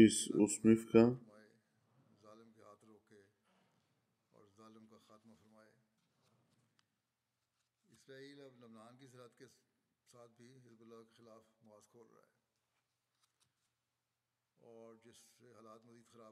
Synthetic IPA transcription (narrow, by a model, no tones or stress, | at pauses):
ɪsʊ̰smɪfkamaːe | zaːlɪmkeɦaːt̪ɾoːke | ɔ̰ːɾzaːlɪmkaxaːt̪mafɐɾmaːeː | ɪsɾaːiːlɐblɐbnaːnkisɐlat̪kesaːt̪̚ʰbʱiɦɪzbʊlːaːkexɪlaːfmʊaːzkʰoːlɾɐ̰a̰ɛ̰ː | ɔːɾd͡ʒɪseɦaːlaːt̪mɐziːd̪xɐɾaː